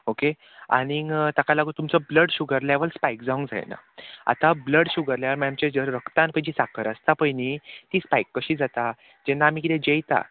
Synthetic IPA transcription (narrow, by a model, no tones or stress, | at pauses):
oke | a̰ɽ̃it̪akalaɡut̪umt͡sɔbləɽɕuɡəɾljaʋəɭspajkd͡zaʋũŋɡd͡za̰jna̰a̰t̪abləɽɕuɡəɾljaʋəɾmajamt͡ɕẽd͡zəɾɾəkt̪ãnpəjd͡ʑiːsakʰəɾəst̪apəjnit̪iːspajkːəɕiːd͡zat̪a | d͡ʑɛnːaːm̤iːk̬it̪ɛ̃d͡ʑejt̪a̰